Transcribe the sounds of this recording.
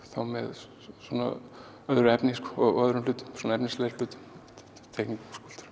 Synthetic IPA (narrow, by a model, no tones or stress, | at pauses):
θawmɛ̰ð | swɔna̰ | œðɾʏɛpniskɔɔɣœðɾʏmlʏːt̪ʏmsɔːnɛpnisleɾpʏːt̪ʏ | t̪ʰejkniŋkskul̥t̪ḁɾ